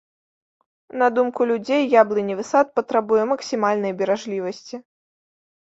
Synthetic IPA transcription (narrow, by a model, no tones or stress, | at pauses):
nɐd̪umkulʲud͡zʲejːablˠɨnʲivɨsat̪̚pɐt̪ɾabujɛmɐksʲimalʲnɐjbʲɛɾaʐlʲivɐsʲt͡sʲi